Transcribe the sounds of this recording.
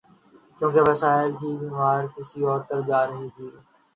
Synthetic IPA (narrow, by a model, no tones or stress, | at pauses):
kjõːkeʋɐsaːɪlkiːbiːmaːɾkɪsiɔːɾt̪ɐɾd͡ʒaːɾəɦit̪ʰiː